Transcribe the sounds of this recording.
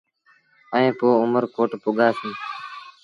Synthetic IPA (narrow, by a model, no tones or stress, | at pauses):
əẽːpoːʊməɾkoːʈpoːɠaːsĩː